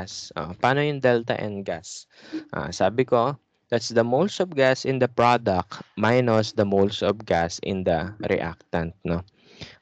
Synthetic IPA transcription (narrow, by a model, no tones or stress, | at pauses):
sʔo̰paːnojʊŋd̪ɛlt̪ɐ̰ʔɛ̰̃nɡas | ʔa̰saːbɪko̞ | d̪̥at̪sd̪ɐmowlsɔvɡasɪ̃nd̪ɐpɹad̪ɐk̪̚majnosd̪ɐmolsɔvɡasɪ̰̃nd̪ɐɾɪ̰ʔa̰k̚t̪ɐ̃nt̪̚no